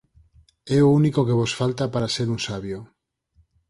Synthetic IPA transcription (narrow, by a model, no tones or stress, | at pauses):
ɛounikokeβ̞osfalt̪apaɾaseɾunsaβjo